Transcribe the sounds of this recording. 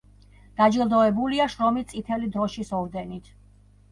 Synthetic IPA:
d̪̥ad͡ʒilˠd̪ɔɛbuliaʃɾɔmit̪sʼit̪ʰɛlid̪ɾɔʃisɔvd̪ɛnit̪ʰ

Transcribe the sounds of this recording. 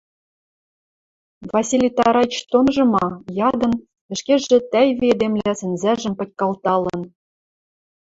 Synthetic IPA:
vɑsʲilʲijt̪ɑɾɑt͡ɕt̪onʒɤ̆mɑjɑd̪ɤ̆n | ɘ̆ʃkʲeʒɘ̆t̪æjvied̪emlæsɘ̆nzæʒɘ̆mpɤ̆tʲkɑlˠt̪ɑlɤ̆n

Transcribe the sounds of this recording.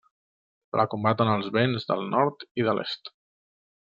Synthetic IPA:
lʔa̰kumbat̪ənəlˠzβenzðə̰lˠnɔɾt̪iðəlʔḛst̪

